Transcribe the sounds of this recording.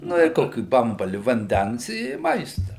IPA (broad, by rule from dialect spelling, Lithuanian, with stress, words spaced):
ˈnʊ ɪ ˈkoːkʲiː ˈbɐmbɐlʲɪ ʋɐnʲˈdʲɛns ɪ ˈmɐɪstɐ